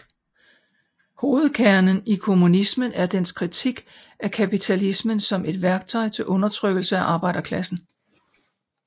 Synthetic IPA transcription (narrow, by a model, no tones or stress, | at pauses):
ho̝ːð̞̩ˠkʰæɐnənikʰo̝munismənæɐd̥enskʰʁit͡sʰiɡ̥ | ækʰæpit͡sʰælismənsɒ̽mʔe̝d̥ʋæɐɡ̥̚t͡sʰɒɪt͡sʰe̝lʔɔ̽nɐt͡sʰʁœɡ̥l̩səæʔɑ̈ːb̥ɑ̈ɪ̰d̥ɐkʰlæsn̩